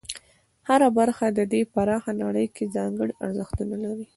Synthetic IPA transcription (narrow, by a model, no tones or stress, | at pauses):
haɾabaɾxad̪əd̪epaɾɑxanaɽəjkezɑŋɡəɽiʔaɾzəxt̪unalaɾi